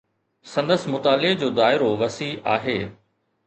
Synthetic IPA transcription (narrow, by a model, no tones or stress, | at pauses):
sɐ̃nd̪əsmʊt̪aːlɪd͡ʑoːd̪aːɪɾoʋɐsiaːɦeː